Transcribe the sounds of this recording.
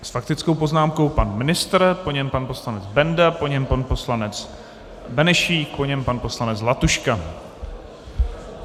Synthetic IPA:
sfakt̪ɪt͡sko̞wpo̞znaːmko̞wpanmɪnɪst̪ɾpoɲɛmpanpo̞slanɛt͡sbɛndapo̞ɲɛmpanpo̞slanɛt͡s | bɛnɛʃiːkpoɲɛmpanpo̞slanɛt͡slat̪uʃka

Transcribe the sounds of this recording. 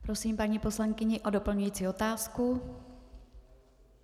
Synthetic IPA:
pɾo̞siːmpaɲipo̞slaŋkɪɲɪʔo̞do̞pl̩ɲujiːt͡siːo̞t̪aːsku

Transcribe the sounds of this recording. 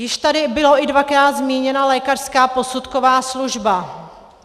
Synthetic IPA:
jɪʃt̪adɪbɪloʔɪdvakɾaːt̪zmiːɲɛnalɛːkar̥skaːpo̞sut̪kovaːsluʒba

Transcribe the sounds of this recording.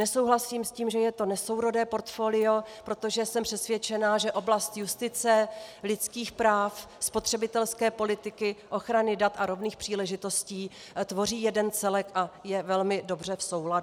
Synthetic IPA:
nɛsowɦlasiːmsciːmʒɛjɛt̪onɛso̞wɾo̞dɛːpo̞ɾt̪fo̞ːlɪo̞pɾo̞t̪oʒɛsɛmpr̝̥ɛsvjɛt͡ʃɛnaːʒɛʔo̞blast̪just̪ɪt͡sɛlɪt̪t͡skiːxpɾaːf | spo̞t̪r̥ɛbɪt̪ɛlskɛːpo̞lɪt̪ɪkɪʔo̞xɾanɪdat̪ʔaɾo̞vniːxpr̥iːlɛʒɪt̪o̞sciː | t̪vo̞r̝iːjɛdɛnt͡sɛlɛkʔajɛvɛlmɪdo̞br̝ɛfso̞wlad

